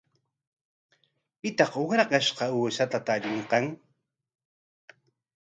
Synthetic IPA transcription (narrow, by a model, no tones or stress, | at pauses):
pɪt̪ɑqʊkɾɑqɑʃqɑuːsat̪at̪aʎɪɴqɑŋ